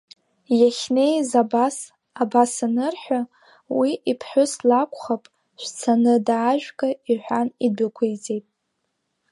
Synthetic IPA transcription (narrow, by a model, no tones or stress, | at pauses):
jaχʲne̞jzabas | abasanɨrħʷᶣa | wiʔipʰħʷᶣʊslakʷʰʼχapʼ | ʃʷt͡sʰanɨdaːʒᶣɡʼaiħʷᶣanibakʷʰejd͡zʼe̞jtʼ